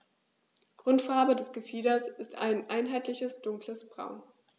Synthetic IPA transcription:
ɡ̥ʁʊntfaɐbədɛsɡ̥əfiːdɐsɪsta̰ɪnʔaɪnɦaɪtlɪçəsd̥ʊŋkləsb̥ʁa̰ʊn

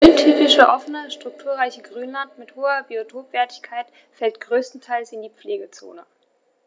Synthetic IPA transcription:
ʔʊntʰyːpɪʃəʔɔfənəʃtʁ̥ʊk̚tʰuːɐʁaɪçəɡʁyːnlantmɪthoːɐbiotʰoːpv̥ɛːɐtɪçkʰaɪt | fɛltɡ̥ʁøːstn̩tʰaɪlsɪndiːp͡fleːɡət͡so̰ːnə

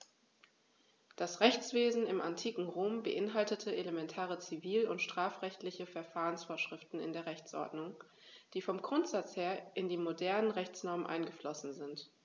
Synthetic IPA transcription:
d̥asʁɛçt͡sv̥eːzn̩ɪmʔantʰiːkŋ̩ʁoːmbəʔɪnɦaltətʰəʔelemɛntʰaːʁ̞ət͡siviːlʊntʃtʁ̥aːfʁ̥ɛçtlɪçəfɛɐfaːʁənsfoːɐʃʁ̥ɪftn̩ɪ̰ndeːɐʁɛçt͡sʔɔ̰ɐdnʊŋ | d̥iːfɔmɡʁʊntz̥at͡sheːɐʔɪndiːmodɛɐnənʁɛçt͡snɔɐmənʔa̰ɪnɡəflɔsn̩zɪnt

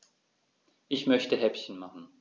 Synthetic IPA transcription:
ʔɪçmœçtʰəɦɛpçənmaχn̩

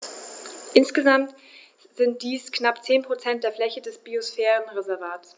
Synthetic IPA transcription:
ʔɪnsɡ̥əzamt | z̥ɪnt̚d̥iːsknapt͡seːnpʁ̥ot͡sɛnt̚d̥eːɐflɛçədɛsb̥iosfɛːʁənʁezɛɐvaːts

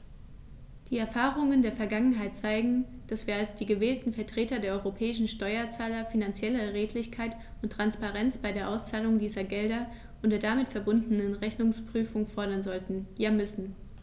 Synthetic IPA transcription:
d̥iːɛɐfaːʁʊŋəndeːɐfɛɐɡaŋənɦaɪt̚t͡saɪɡŋ̩d̥asv̥iːɐalsd̥iːɡəvɛːltn̩fɛɐtʁ̥eːtɐdeːɐʔɔʏʁopʰɛːɪʃn̩ʃtɔʏɐt͡saːlɐfinant͡sjɛləʁeːtʰlɪçkʰaɪt | ʊntːʁ̥anspaʁɛnt͡sb̥aɪdeːɐʔaʊst͡saːlʊŋdiːzɐɡɛldɐ | ʔʊntdeːɐdamɪtfɛɐbʊndənənʁɛçnʊŋspʁ̥yːfʊŋfɔɐɾɐnzɔltn̩jaːmʏsn̩

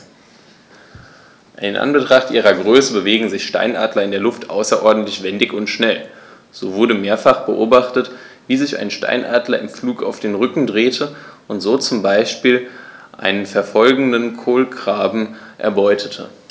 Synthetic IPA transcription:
ʔɪnʔa̰nbətʁ̥aχtʔiːʁ̞ɐɡʁøːsəbəveːɡŋ̩zɪçʃta̰ɪnʔa̰ːdlɐɪndeːɐlʊftʔa̰ʊsɐʔɔɐdn̩tlɪçv̥ɛndɪçʊntʃnɛl | z̥oːvʊɐɾəmeːɐfaχb̥əʔoːbaχtət | viːzɪça̰ɪnʃta̰ɪnʔaːdlɐɪmfluːka̰ʊfd̥eːnʁʏkŋ̩dʁeːtʰəʔʊntz̥oːt͡sʊmbaɪʃpiːlʔa̰ɪnənfɛɐfɔlɡŋ̩dənkʰoːlɡʁ̥aːbm̩ʔɛ̰ɐbɔʏtʰətʰə̰

